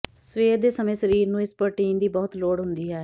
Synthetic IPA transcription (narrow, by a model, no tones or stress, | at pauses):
sʋeːɾd̪eːsəmẽːsəɾiːɾnũːɪspəɾʈiːnd̪iːbɔːʊt̪loːɽɦʊnd̪iːɦɛː